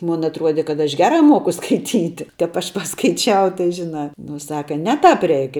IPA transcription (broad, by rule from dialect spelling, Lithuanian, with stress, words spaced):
ˈmʊn ɐtˈruɔdʲɛ kɐt ɐʃ ˈɡʲæːrɐ ˈmuɔkʊ skɐɪˈtʲiːtʲɪ tɐp ˈɐʃ pɐskɐɪˈt͡ʃʲɛʊ tɐɪ ʒʲɪˈnɐ ˈnʊ ˈsɑːkɐ ˈnʲɛ tɑːp ˈrʲɛɪk